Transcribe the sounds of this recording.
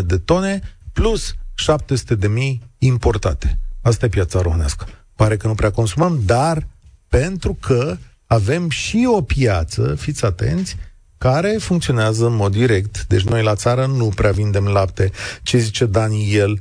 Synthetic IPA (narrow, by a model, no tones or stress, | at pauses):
d̪e̞t̪o̞ne̞plusʃap̚t̪e̞su̥t̪e̞d̪e̞mijimpo̞rt̪a̰t̪e̞̥as̬t̪aje̞pjat̪saɾohɨna̰skə̥ | paɾe̞kənupɾeako̞nsuməmd̪arpe̞nt̪ɾukʰə | ave̞mʃio̞pijat̪sə̰fit̪sʲat̪e̞̰nt̪sʲ | kaɾe̞fuŋkt̪sio̞neazəɨnmo̞d̪ːiɾe̞kt̪d̪et͡ʃʲno̞jlat̪saɾənupɾeavind̪e̞mlapt̪e̞t͡ʃezit͡ʃe̞d̪anijel